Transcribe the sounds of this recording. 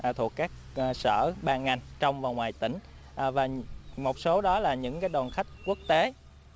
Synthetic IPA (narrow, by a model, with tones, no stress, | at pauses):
t̪ʰu˨˩əkːaː˦˥k̚ | sə̰ː˧˩ɓaː˧nŋa˨˩jŋ̟t͡ɕɔ˧wŋ͡mvaː˨˩ŋwaː˨˩jt̪ḭ̈˧˩ŋ̟ | ʔvaː˨˩mo˨˩t̚so˨˦ɗɔ˨˦laː˨˩ɲɨ̰˧˥ŋkaː˨˦jɗɔː˨˩nxa˦˥jk̟̚ku˦˥ək̚t̪e˨˦